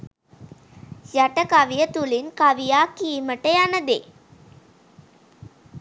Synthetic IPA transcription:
jaʈəkaʋijət̪ulinkaʋijaːkijməʈəjanəd̪ḛ

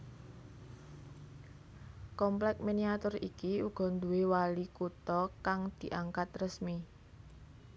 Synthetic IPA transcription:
kɔmplɛk̚miniat̪ʊrikiuɡ̥ɔ̤nd̪uwewalikut̪ɔkaŋd̪̥i̤ʔaŋkat̪rəsmi

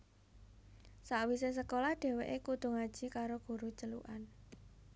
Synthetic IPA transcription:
saʔwises̬əkolahdɖ̥e̤weʔekud̪̥ṳŋad̥ʒ̥i̤kaɾoɡ̥ṳɾut͡ʃəlṵʔan

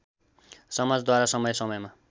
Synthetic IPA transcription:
sʌmad͡zd̪waɾasʌmʌjsʌmʌjma

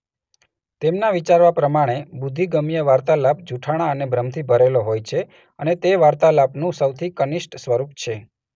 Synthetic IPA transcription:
t̪emnaʋit͡ʃaɾʋapɾəmaɽ̃ebud̪ʱːiɡəmijəʋaɾt̪alap̚d͡ʒʱuʈʰaɽ̃aənebʱɾəmt̪ʰibʱəɾeloɦojt͡ʃʰe | ənet̪eʋaɾt̪alapnũsəwt̪ʰikəniʃʈsʋəɾup̚t͡ʃʰe

